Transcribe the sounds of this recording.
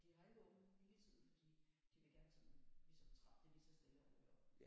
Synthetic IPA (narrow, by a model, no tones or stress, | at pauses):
d̥ihɑ̈e̝̥ɔn̩ilisið̩ˠfd̥ḭd̥iʋe̝ɡ̥æɐnsɒmlisɒmt͡sʰʁɑ̈b̥d̥eʋ̥isɐsd̥eləɒ̥ɒ